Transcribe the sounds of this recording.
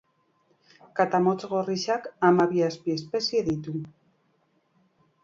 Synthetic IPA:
kat̪amo̞t͡sɣo̞riʃakamaβiaspie̞spe̞sieðit̪u

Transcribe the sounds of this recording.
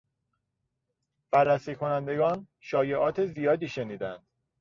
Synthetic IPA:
b̥æɾːæsiːkʰo̞nænd̪e̞ɡɒːn | ʃɒːje̞ʔɒːt̪ʰezijɒːd̪iːʃe̞niːd̪ænd̪̥

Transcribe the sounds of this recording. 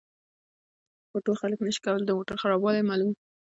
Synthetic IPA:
foʈoxaləknəʃi̥kawəld̪əmoʈaɾxaɾɑbwɑlemɑlum

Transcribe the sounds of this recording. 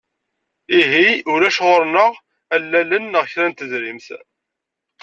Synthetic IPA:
iɦiʊɾæʃʁoɾnəʁ | ælːælənːəʁçɾænt̪əzɾimθ

